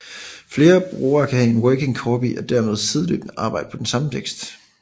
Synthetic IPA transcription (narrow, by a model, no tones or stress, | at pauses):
fle̝ːɐb̥ʁuːɐːkʰæhæe̝nwœːke̝ŋkʰɒːbiʔɒ̽d̥æɐmeð̞ˠt͡sʰið̞ˠløɡ̥n̩ɑ̈ːb̥ɑ̈ɪ̰d̥ə̥pʰɒ̽d̥ensɑ̈mət͡sʰeɡ̥sd̥